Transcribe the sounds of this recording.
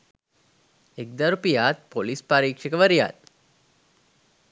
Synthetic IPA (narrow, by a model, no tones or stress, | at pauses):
ek̚d̪aɾupijaːt̪̚polispaɾiːkʂekəʋaɾija̰ːt̪